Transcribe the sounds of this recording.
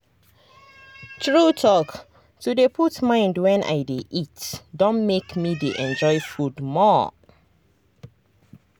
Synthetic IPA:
tʰɹutʰɔk | tudepʰutmãɪ̃ndwɛ̃nʔa̰ɪdeʔitdõnmekmideʔɛ̃nd͡ʒɔɪfudmɔ

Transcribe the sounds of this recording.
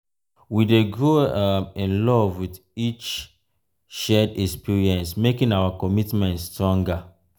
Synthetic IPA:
wideɡɹoĩnlɔvwið | it͡ʃ | ʃɛdɛkspiɹiɛ̃nsmekĩnawakɔmitmɛ̃ntstɹɔ̃ŋɡa

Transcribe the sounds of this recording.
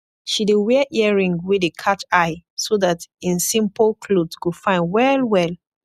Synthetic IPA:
ʃidewɛʔɛɹĩŋwidekʰat͡ʃaɪsoðatĩnsĩmpəlkʰlodskufãɪ̃nwɛlwɛl

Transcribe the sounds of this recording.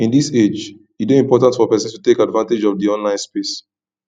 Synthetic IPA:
ĩndised͡ʒ | itdoĩmpɔtãntfɔpɛsə̃nstutekadvãnted͡ʒɔvdiɔ̃nlãɪ̃nspes

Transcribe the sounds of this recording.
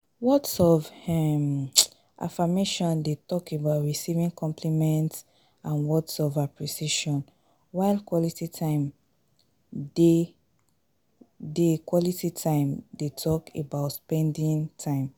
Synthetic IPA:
wɔtsɔvɛm | ʔa̰fameʃɔ̃ndetɔkebaʊtɹisivĩŋkʰɔ̃mpʰlimɛ̃nts | ãnwɔtsɔvapʰɹisiʃɔ̃n | waɪlkwɔlititʰãɪ̃m | de | dekwɔlititʰãɪ̃mdetʰɔkebaʊtspɛ̃ndĩŋtʰãɪ̃m

